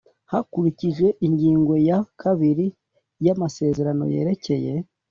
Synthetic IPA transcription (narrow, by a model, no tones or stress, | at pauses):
hakuɾiciʒwe̞ʔiɲɟiːŋɡo̞jakʰaβiɾi | jamase̞ːze̞ɾano̞̰je̞̰ːɾe̞ce̞je̞